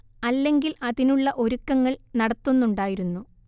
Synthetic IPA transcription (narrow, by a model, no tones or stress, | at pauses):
ɐlːe̞ŋɡilʔɐðinuɭːɐʔo̞ɾukːɐŋːɐɭnɐɽɐt̪ːunːuɳɖaːjiɾunːu